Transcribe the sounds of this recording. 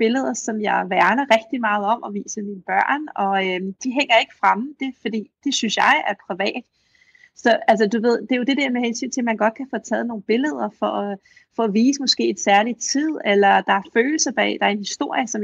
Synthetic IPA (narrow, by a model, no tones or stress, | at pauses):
b̥e̝ləð̞̰ˠɐsɒ̽mjɑ̈ɪʋæɐnɐʁɛɡ̥̚d̥imɑ̈ːð̞̩ˠɒ̽mʔɒ̽ʋḭːsəminb̥ɶɐ̰nɒ̽ød̥iɦeŋ̰ɐe̝ɡ̥ə̥fʁam̩d̥e̝fɒ̽d̥ḭːd̥e̝synsjɑ̈ɪæɐpʰʁiʋɛ̰ːd̥ | sɒ̽æls̬ɐd̥uʋe̝ð̞̰ˠd̥e̝jo̝d̥e̝dɛɐ̰mehensy̰ːnt͡sʰe̝lmænɡ̥ɒ̽d̥̚kʰæfɒt͡sʰɛ̰ːðˠno̝ːnb̥e̝ləð̞̰ˠɐfɒɒ | fɒ̽ːʋḭːsəmɒ̽sɡ̥e̝̰ːed̥sæɐlit͡sʰið̰ˠelɐd̥ɑ̈æɐføːl̩sɐb̥ɛ̰d̥ɑ̈æɐenhisd̥o̝ɐ̰jəsɒ̽m